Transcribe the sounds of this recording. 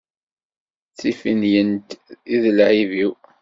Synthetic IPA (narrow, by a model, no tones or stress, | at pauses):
t͡sːifinjənt̪iðlʕiviw